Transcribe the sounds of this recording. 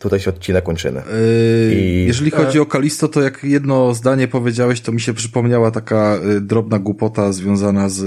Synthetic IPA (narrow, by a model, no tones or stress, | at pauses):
t̪ut̪ajɕɛɔt̪̚t͡ɕːinɛkːɔɲt͡ʂɘ̰mɘ̰ | jɛʐɛlʲixɔd͡ʑiɔkalʲist̪ɔt̪ɔjakjɛd̪nɔzd̪aɲɛpɔvʲjed͡ʑawɛɕt̪ɔmʲiɕɛpʂɘpɔmɲawat̪akad̪ɾɔbnaɡwupɔt̪azvʲjɔ̃w̃zanaz